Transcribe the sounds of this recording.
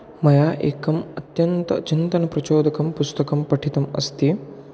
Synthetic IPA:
mɐjaːʔḛːkɐmɐt̪jɐnt̪ɐ̰t͡ʃint̪ɐnɐpɾɐt͡ʃoːd̪ɐkɐmpust̪ɐkɐmpɐʈʰit̪ɐmɐ̰st̪iː

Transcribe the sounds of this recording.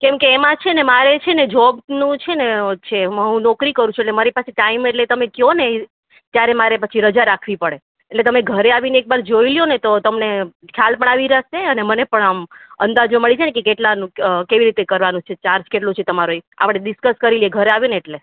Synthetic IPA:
kɛ̃mkeːmãt͡ʃʰenemaɾet͡ʃʰened͡ʒɔbnũt͡ʃʰenet͡ʃʰeəɦũnɔkɾikəɾũt͡ʃʰueʈlemaɾipaseʈaimeʈlet̪əmekjone | t̪jaɾemaɾepət͡ʃʰiɾəd͡ʒaɾakʰʋipəɽeː | ʈlet̪əmeɡʱəɾeaʋineek̚baɾd͡ʒoiljonet̪ot̪əmnekʰjalpəɳaʋiɾəʃeənemənepəɳamə̰̃nd̪ad͡ʒnoməɭid͡ʒanekekeʈlanũkeʋiɾit̪ekəɾʋanũt͡ʃʰet͡ʃaɾd͡ʒkeʈlũt͡ʃʰet̪əmaɾoea̰pɽ̃eɗɪskəskəɾiljeɡʱəɾeaʋjõneːʈle

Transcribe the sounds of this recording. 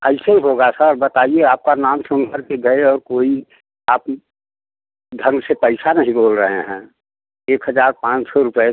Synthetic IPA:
əɪseiɦoɡasəɾbət̪aːieaːp̚kanaːmsə̃ŋɡʱəɾkeɡəeɔːɾkoːi | aːp | d̪ʱə̃ŋɡsepəɪsanəɦĩboːlɾəɦeɦɛ̃ː | eːkɦəzaːɾpãːt͡ʃsɔɾʊpe

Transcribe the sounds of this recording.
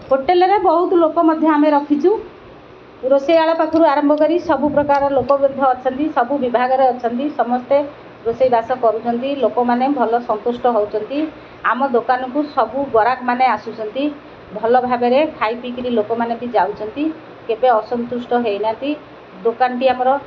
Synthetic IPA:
ɦoʈelɾebɔɦut̪ɔlokɔmɔd̪ʱjɔameɾɔkʰit͡ʃʰu | ɾosejaɭɔpat̪ʰɔɾuaɾɔmbʱɔkɔɾisɔbupɾɔkaɾɔlokɔbɾud̪ʱːɔːt͡ʃʰɔnt̪isɔbubibʱaɡɔɾeɔt͡ʃʰɔnt̪isɔmɔst̪e | ɾosejbasɔkɔɾut͡ʃʰɔnt̪ilokɔmanebʱɔlɔsɔnt̪usʈɔɦɔwt͡ʃʰɔnt̪i | amɔd̪okanɔkusɔbuɡɔɾakmaneasut͡ʃʰɔnt̪i | bʱɔlɔbʱabeɾekʰajpikiɾilokɔmanebid͡ʒawt͡ʃʰɔnt̪i | kebeɔsɔnt̪usʈɔɦejnant̪i | d̪okanɔʈiamɔɾɔ

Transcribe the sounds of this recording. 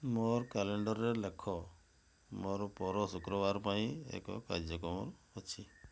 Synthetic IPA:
moɾkaleɳɖɔɾːɛlekʰːɔ | moɾpɔɾɔsukɾɔʋaɾpaĩḛkɔ̰ka̰ɾd͡ʒɔkɔmɔ̰ɾɔt͡ʃʰi

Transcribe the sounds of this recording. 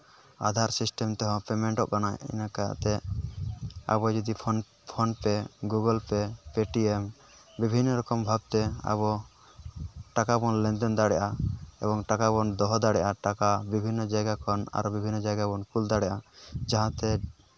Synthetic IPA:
a̰d̪ʱaɾsisʈɛmt̪ɔɦɔ̃pɛmɛɳʈɔʔkanajḭnaka̰t̪ɛ | a̰bɔd͡ʒɔd̪ipʰɔn | pʰɔnpɛɡuɡɔlpɛpeʈiem | bibʱinːɔɾɔkɔmbʱab̚t̪ɛa̰bɔ | ʈakabɔnlɛ̃nd̪ɛnd̪aɽɛʔaɛbɔŋʈakabɔnd̪ɔɦd̪aɽɛʔaʈakabibʱinːɔd͡ʒajɡakʰɔna̰ɾbibʱinːɔd͡ʒajɡabɔnkuld̪aɽɛʔad͡ʒaɦãt̪ɛ

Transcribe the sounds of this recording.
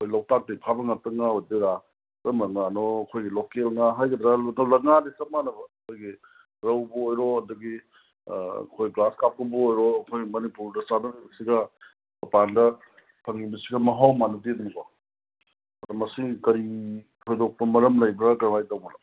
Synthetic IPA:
kʰojlawtak̚tɐipʰabɐŋatɐŋaojdeɾa | ɾɐmlɐŋanɔɐkʰojɡilɔkelŋaɦajɡɐd̪ɾalnɔlɐŋanisɐp̚manɐbɐkʰojɡi | ɾɐwbɐojɾɔɐdɐɡḭ | kʰojɡlaskap̚kɐbuojɾɔɐkʰojɡmɐnipuɾdɐsanɐnijbɐsiɡɐ | bɐpandɐ | pʰɐŋːibɐsiɡɐmɐɦawmanɐtidonɐka | dɐmɐsikɐɾi | tʰojdok̚pɐmɐɾɐmlɐjbɾɐkɐɾwajtawmɐlɐ

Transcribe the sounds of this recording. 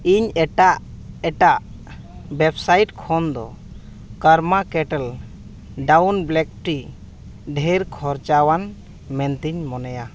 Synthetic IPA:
iɲɛʈaʔ | ɛʈaʔ | bɛbsajʈkʰɔnd̪ɔ̰ | kəɾmakɛʈəl | ɖawnblɛk̚ʈi | ɖʱɛɾkʰɔɾt͡ʃawan | mɛnt̪iɲmɔnɛja

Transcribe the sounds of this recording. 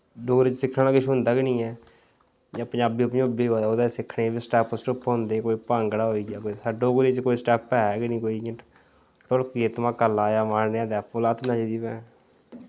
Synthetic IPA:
ɖoːɡɾiːt͡ʃsɪkʰːaːkɪʃʰʊ̃nd̪aːɡɪnĩːɛː | d͡ʒãːpɲaːbiːʊpɲõʊbiːɦoːd̪aoːd̪asɪkʰɽeːbiːsʈɛːpsʈʊpɦõnd̪eːkoːiːpãːŋɡɽaːɦoːiːɡaːkoisaɖoːɡɾeːt͡ʃkoːisʈɛːpːɛːɡɪnĩːkoːĩː | ʈʊlkieːt̪ʊmãːkəlaːjaːmaːnneãːd̪ɛpoːlaːt̪nãːd͡ʒd̪iːpɛ̃ː

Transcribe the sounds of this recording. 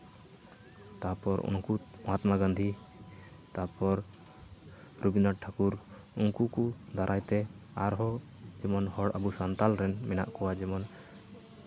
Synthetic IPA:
t̪apɔɾṵŋkumɔat̪maɡãnd̪ʱi | t̪apɔɾ | ɾubinaʈʰakuɾ | uŋkukud̪ʱaɾʔajt̪ɛaɾɦɔ | d͡ʒɛmɔnhɔɽə̰busant̪alɾɛnmɛna̰ʔkɔwad͡ʒɛmɔn

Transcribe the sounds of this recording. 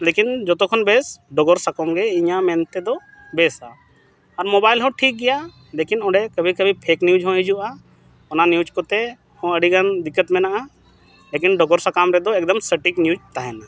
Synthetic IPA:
lekind͡ʒɔt̪ɔkʰɔnbesɖɔɡɔɾsakɔmɡɛiɲãmɛnt̪ɛd̪ɔ | beːsa | ɔɾmɔbaːjlɦɔ̃ʈʰiːk̚ɡɛja | lekinɔ̃ɖɛkəbʱikəbʱipʰeːknjud͡ʒɦɔ̃ɦid͡ʒuʔa | ɔnanjud͡ʒkɔt̪ɛ | hɔ̃əɖiɡand̪ikːət̪mɛnaʔa | lekinɖɔɡɔɾsakamɾɛd̪ɔek̚d̪əmsəʈiknjud͡ʒt̪aɦɛna

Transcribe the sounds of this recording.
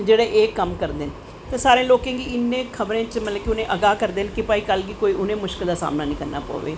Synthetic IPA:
d͡ʒeːɽeːʔeːkəmkəɾd̪en | t̪eːsaːɾẽːloːkẽːɡiːɪnːẽːkʰəbɾẽːt͡ʃmət̪ləkiʊnẽːʔəɡaːkəɾd̪eːnkɪpaːiːkəlɡiːkoːiːʔʊnẽːmʊʃkɪld̪aːsa̰ːmnaːnĩːkəɾna̰ːpo̰ːʋḛː

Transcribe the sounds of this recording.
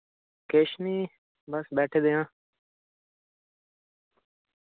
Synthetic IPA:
keːʃniː | bəsbɛːʈʰeːd̪ejãː

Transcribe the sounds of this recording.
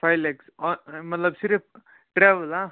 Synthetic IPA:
pʰɐjleksmɐt̪lɐbsiɾi | ʈɾeːʋɐlaː

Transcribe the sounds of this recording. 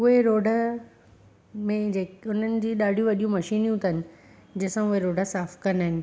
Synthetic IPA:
ʊɦeɾoːɖʱə | mẽd͡ʑeːkʊn̤ənɪ̆d͡ʑiːɗaːɖʱijũʋɐɗijũmɐʃiːnjũt̪ənɪ̆ | d͡ʑɐsãʊɦeɾoːɖəsaːfkɐnaːɦɪnɪ̆

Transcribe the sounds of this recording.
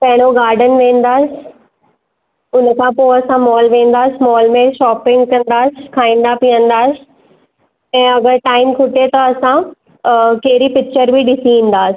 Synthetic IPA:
pɛ̃ɦɪɽ̃oɡaːɾɖənʋẽːnd̪aːsɪ̥ | ʊnkʰãːpoɐsãmɔːlʋẽːn̆d̪aːsmɔːlmẽʃɔːpɪ̃ŋɡkɐ̃nd̪aːsɪkʰaːĩːnd̪apijə̃nd̪aːsɪ̥ | ɛ̃ːɐɡəɾʈaːɪmkʰʊʈet̪ɐɐsã | keɦɾipɪk̚t͡ɕəɾbʱiɗɪsiĩːn̆d̪aːsɪ̥

